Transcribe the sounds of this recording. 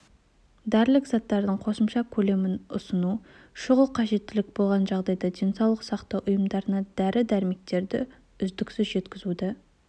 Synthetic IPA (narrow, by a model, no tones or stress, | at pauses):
d̪æɾlɪkzɑt̪ːɑɾd̪əɴqʰo̞səmʃɑkʲʰɵle̞mɪnʊ̰sənu | ʃʊʁəlˠqʰɑʒe̞t̪ːɪlɪk̚bo̞lˠʁɑnʒɑʁd̪ɑjd̪ɑd̪ejnsɑwlˠəqsɑqt̪ɑwʔʊjəmd̪ɑɾənɑd̪̥æɾɪd̪æɾmek̚t̪e̞ɾd̪ɪ̰ | ʏzd̪ɪksɪzʒe̞t̪kʲɪzud̪ɪ